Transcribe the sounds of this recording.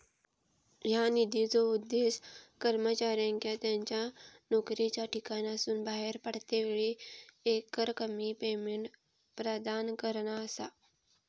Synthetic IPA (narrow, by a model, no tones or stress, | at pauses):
janid̪ʱit͡soud̪ːeskəɾmət͡ɕaɾjãŋkjat̪jaɲt͡ɕjanokɾet͡ɕjaʈʰikanasuːnbaɦeɾpəɽ̤t̪eʋeɭiekəɾkəmipemeɳʈ | pɾəd̪ankəɾɳaəsa